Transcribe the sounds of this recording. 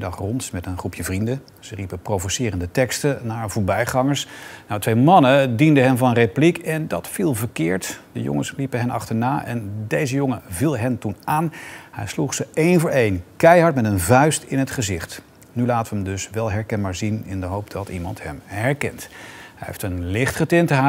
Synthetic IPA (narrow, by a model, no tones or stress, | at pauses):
ɪdɑχrɔntmɛtənχrupʰjəvrində | z̥əripəprowvosɪːrəndətɛkstənaːɹvʊːɹbɛjχɑŋəɹsnawtʋejmɑnədindəɦɛnvɑnəreplikʰɛndɑtfilˠvəɹkɪːɹtd̥ə̰jʊ̰ŋəslipəɦɛnɑ̰χtəɹnaːʔɛ̰ndejzəjoŋəvilˠɦɛntunʔaːnhɛ̰jsluχsəejnvʊːɹejnkɛjɦɑɹtmɛtənvœɥstɪnɦətχəzɪχt | nylaːtəʋəəmdɵsʋɛlˠɦɛɹkɛnbaːɹzinɪ̰ndəɦowp̚dɑtḭmɑ̰ntɦɛ̰mɦɛɹkɛntɦɛjɦḛftənlɪχtχətɪntəɦa